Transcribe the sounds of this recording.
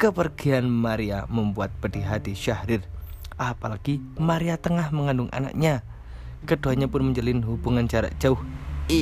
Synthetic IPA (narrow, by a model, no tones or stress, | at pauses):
kəpərɡ̥ianmaɾia̰məmbuat̪̚pədiɦat̪iʃahɾɪr | ʔapalaɡ̥imaɾiat̪əŋahməŋandʊŋʔa̰na̰ʔɲa | kəd̥oaɲapʊnməɲd͡ʒəlɪnɦub̥uŋand͡ʒaɾa̰ʔd̥d͡ʒ̥aʊh